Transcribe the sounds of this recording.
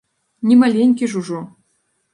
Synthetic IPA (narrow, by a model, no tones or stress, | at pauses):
nʲimalʲenʲkʲiʐuʐu